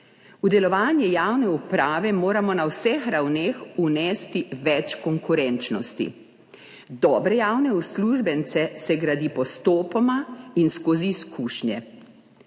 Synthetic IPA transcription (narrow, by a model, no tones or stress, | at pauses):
ud̪ɛlɔʋaːnjɛjaːwnɛupɾaːʋɛmoːɾamɔnawsɛxɾawneːxunɛst̪iʋɛt͡ʃkɔŋkuɾɛnt͡ʃnɔst̪ḭ | d̪ɔːbɾɛjaːwnɛusluʒbɛnt̪sɛsɛɡɾad̪ipɔst̪oːpɔmainskoːziːskuːʃɲjɛ̰